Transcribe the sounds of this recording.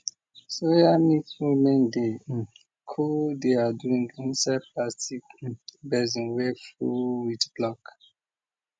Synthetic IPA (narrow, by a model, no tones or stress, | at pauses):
sojamitfumɛ̃nde | kʰudeaduĩŋɡĩnsad̚pʰlastikbɛzĩnwɛkfɹṵwitb̥lɔk